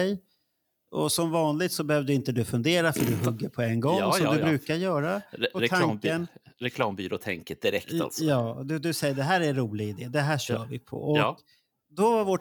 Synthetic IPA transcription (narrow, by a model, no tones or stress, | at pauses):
ɛj | ʔɔ̰sɔmvɑːnlɪɡ̚t̪sɔbɛhøːvd̪ɵɪnt̪əd̪ɵfɵnd̪eːɾafœɖɵɦɵɡːəɾpʰɔɛnɡɔŋːsɔd̪ɵbɾʉ̟ːkaɾjœːɾaɔɛaŋkənɾɛkʰlɑːmbyːɾo̰ːt̪ʰɛŋkəd̪ɪɾɛ̰t̪a̰lsjɑːd̪ɵd̪ɵsɛjːəɖɛɦæːɾæɾuːlɪɡaɪd̪eːd̪ɛɦæːʂœːɾvɪ̰pʰɔ̰ʔɔkk | d̪ɔvaɾvɔ